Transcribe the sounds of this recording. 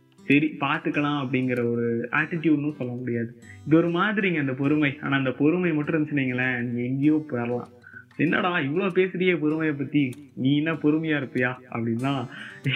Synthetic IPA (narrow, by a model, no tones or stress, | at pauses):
sɐɾipaːɾt̪ɯkːɐlãːɐpːɐɽɪŋɡɪɾɐɔɾɯa̰ːʈːɪʈjuːɖnʊ̃sɔlːɐmʊɽɪjaːðɯɪðɐɔɾɯmaːðɪɾiːŋɡɐɪnd̪ɐp̬ɔɾɯmɐɪa̰ːnaːɪnd̪ɐpɔɾɯmɐɪmɐʈːɯ̃ɛnd̪ɯsɪniːŋɡɐlɐniːŋɡɐɪŋɡɪjoːpɐɾɐlã̰ː | ɛnːa̰ːɽaɪʋːɐɭoːpeːsɯɾɐjeːp̬ɔɾɯmɐjɐp̬ːɐt̪ːinĩːɛnːɐpɔɾɯmɐjaːɪɾɯpːɯjaːɐ̰pːɐɽɪnːãː